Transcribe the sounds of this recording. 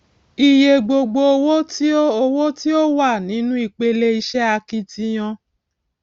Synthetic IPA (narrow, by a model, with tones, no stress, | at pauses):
i˧je˧ɡ͡bo˧ɡ͡bo˧o˧wo˦ti˦o˦o˧wo˦ti˦o˦wa˦˨nĩ˨˦nũ˦i˦˨k͡pe˧le˧i˧ʃɛ˦a˧ki˧ti˧j̃ã˧